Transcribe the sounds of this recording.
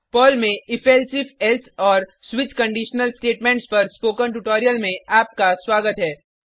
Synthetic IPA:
pɔːlmẽɪfʰɛlsɪfɛlt̪ʰɔːɾswɪt͡ʃkɐ̃ɳɖiːʃnəlsʈeːʈmẽːɳʈspɐɾspoːkə̃nʈuʈɔːɾijəlmẽaːp̚kaswaːɡət̪ɦɛː

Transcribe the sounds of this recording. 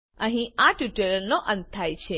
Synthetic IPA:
ə̃ɦĩaʈuʈələlnoʔə̃nt̪̚t̪ʰajt͡ʃʰe

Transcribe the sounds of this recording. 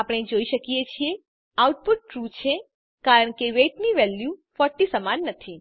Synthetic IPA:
apəɽ̃ed͡ʒoiʃəkijet͡ʃʰie | awʈ̚puʈ̚ːɾut͡ʃʰe | kaɾəɳkeʋeʈniʋɛljufɔɾʈːisəmanːət̪ʰi

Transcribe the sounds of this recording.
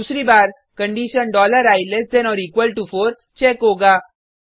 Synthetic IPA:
usɾiːbaːɾ | kəɳɖiːʃənɖɔːləɾaːilesd̪enɔːɾiːkʋəlʈufoːɾ | t͡ʃɛːkɦoːɡaː

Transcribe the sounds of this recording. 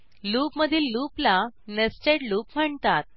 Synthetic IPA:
luːpməd̪ʱiːlluplanəsʈeʈluːpm̤əɳt̪at̪̚

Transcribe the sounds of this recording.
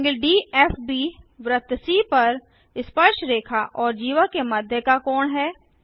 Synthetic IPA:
ŋɡəlɖiːɛːfbiːʋɾət̪siːpɐɾ | ɪspəɾʃɾeːkʰaʔɔːɾd͡ʒiːʋəkemɐd̪ʱjəkakɔːɳɦɛː

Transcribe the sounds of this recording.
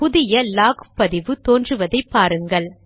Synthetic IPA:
pʊðɪjɐlaːɣpɐðɪʋɯt̪oːndrɯʋɐðɐɪpːaːɾɯŋɡɐɭ

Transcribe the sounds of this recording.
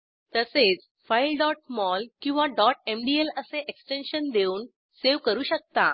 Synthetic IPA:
t̪əset͡s | failɖɔʈ̚mɔlkĩw̃ʋaɖɔʈ̚emɖieləseʔeksʈenɕənd̪euːn | seʋkəɾuːɕək̚t̪a

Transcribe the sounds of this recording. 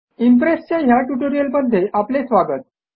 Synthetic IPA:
impɾest͡ɕjaɦjaʈjuʈoɾijəlməd̪ʱːjeʔaplesʋaɡət̪̚

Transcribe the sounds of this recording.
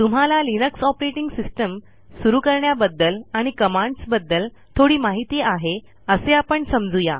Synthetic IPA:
t̪um̤alalinəksɔpɾeʈiŋɡsisʈəm | suɾuːkəɾɳjabəd̪ːəlaɽ̃ikəmãɳɖsbəd̪ːəl | t̪ʰoɽiːmaɦit̪iaɦe | əseapəɳsəmd͡zuja

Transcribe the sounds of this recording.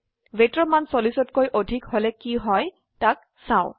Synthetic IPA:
vetɹɔmansolisɔtkojʔodʱikhɔlɛkiɦɔj | tak̚ | saʊ

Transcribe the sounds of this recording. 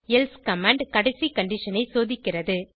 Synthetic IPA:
ɛlskɐmaːɳɖkɐɽɐɪsikɐɳɖɪʂɐnɐɪsoːðɪkːɪrɐðɯ

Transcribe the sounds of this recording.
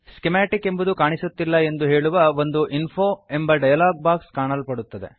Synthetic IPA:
skemaːʈike̞mbud̪ukaːɳisut̪ːilːɐe̞nd̪uɦe̞ːɭuʋɐʋo̞nd̪uʔinpʰoːe̞mbɐɖɐjɐlaːɡ̚baːkskaːɳɐlpɐɽut̪ːɐd̪e̞̰

